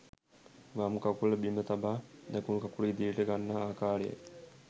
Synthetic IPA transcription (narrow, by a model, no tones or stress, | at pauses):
ʋamkakuləbimət̪abaːd̪ɛkumkakuləid̪iəʈəɡanːaaːkaːɾejə̰